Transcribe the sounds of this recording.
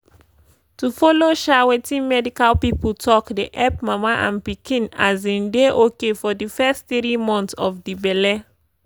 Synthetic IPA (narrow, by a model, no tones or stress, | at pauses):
tufɔloʃawetĩnmɛdikalpipultʰɔkdeʔɛpmamaʔãnpikʰĩnazĩndeʔokefɔdifɛsttɹimɔ̃ntɔfdibɛlɛ